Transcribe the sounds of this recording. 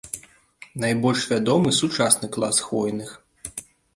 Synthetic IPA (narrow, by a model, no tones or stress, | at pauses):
najbɔlʲʂvʲad̪ɔmɨsut͡ʂasnɨklˠasxvɔjnɨx